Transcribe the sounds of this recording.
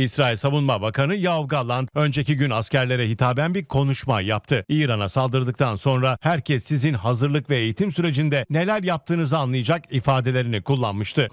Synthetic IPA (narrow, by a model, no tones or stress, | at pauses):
isɾaːilʲsavunmabakanɯjavɡalːˠand̪ø̞nd͡ʒe̞ciɟynascæɾlʲe̞ɾɛɦit̪ʰaːbænbiɾkʰo̞nuʃma̰jap̚t̪ʰɯiːɾanasalˠd̪ɯɾd̪ɯk̚t̪ʰanso̞nɾahæɾcʰɛsːizinɦazɯɾlˠɯkvɛeːjit̪ʰimsyɾe̞d͡ʒind̪ɛne̞lʲæɾjap̚t̪ʰɯːnɯzɯanlˠɯjad͡ʒakifaːd̪e̞lʲe̞ɾinikʰulˠːanmɯʃt̪ʰɯ